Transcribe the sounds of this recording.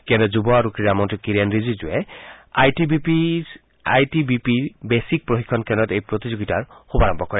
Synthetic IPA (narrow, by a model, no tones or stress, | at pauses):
kɛndɔzubɔaɹukɹiɹamɔntikiɹanɹizizuɛajtibipi | a̰jtibipiɹbesik̚pɹoxikʰːɔnkɛndɔtejpɹotizoɡitaɹxubaɹɔmbʱɔkɔɹɛ